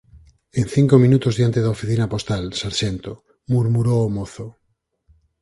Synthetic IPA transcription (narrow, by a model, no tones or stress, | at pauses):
ẽnθiŋkomĩnut̪ozðjant̪eðaofiθinapost̪alsaɾʃent̪o | muɾmuɾoːmoθo